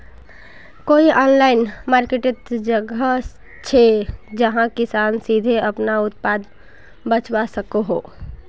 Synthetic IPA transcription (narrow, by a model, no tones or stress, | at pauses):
koːiʔɔːnlaːɪnmaːɾkeʈɪt̪d͡ʒəɡə | t͡ʃʰed͡ʒəɦãkɪsaːnsiːd̪ʱeɐpnaʊt̪paːd̪ | bət͡ʃwasəkoɦo̰ː